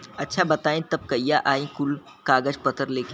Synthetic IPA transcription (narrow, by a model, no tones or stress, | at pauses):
ɐtːʃʰabɐt̪aːẽt̪ɐb̚kɐijaʔaːĩkʊl | kaːɡəd͡ʒpɐt̪əɾleːke